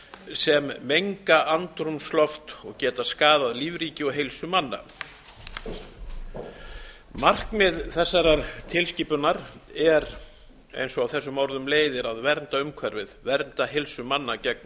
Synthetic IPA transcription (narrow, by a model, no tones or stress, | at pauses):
sɛmːejŋkaʔant̪ɾʏmslɔft̪ɔɣcɛːt̪askaːðaðliːvɾiːcɪɔɦejlsʏmanːa̰ | mar̥kmɪðθɛsːaɾaɾt̪ʰɪlsciːpʏnaɾɛɾ | ḛjnsɔawθɛsːʏmɔwɾðʏmleːjðɪɾaðvɛɾnt̪aʏmkʰvɛɾvɪðvɛɾnt̪aɦelsʏmanːacɛk̚n